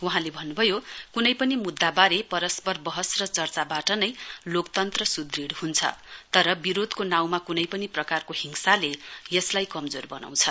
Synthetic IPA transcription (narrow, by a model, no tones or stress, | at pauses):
wuɦãlebʱʌnːubʱʌjokunʌjpʌnimud̪ːabaɾepʌɾʌspʌrbʌɦʌsrʌt͡sʌrt͡sabaʈʌnʌjlokt̪ʌnt̪rʌsud̪riɽhunt͡sʰʌ̰t̪ʌɾʌbiɾod̪konaw̃makunʌjpʌniprʌkarkoɦiŋsalejʌslajkʌmd͡zorbʌna̰w̃t͡sʰʌn